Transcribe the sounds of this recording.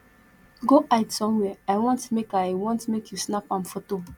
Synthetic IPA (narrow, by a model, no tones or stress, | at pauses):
ɡoʔaɪtsɔ̃mwɛaɪwɔ̃ntmekajwɔ̃ntmekʰjusnapãmfoto